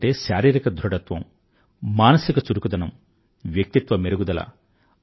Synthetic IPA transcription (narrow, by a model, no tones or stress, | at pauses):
ʈeːʃaːɾiːɾikɐd̪ʱɾuɖɐt̪ʋɐ̰m | maːnɐsikɐt͡ʃuɾukud̪ɐnɐm | ʋjɐk̚t̪it̪ʋɐmeɾuɡud̪ɐlɐ̰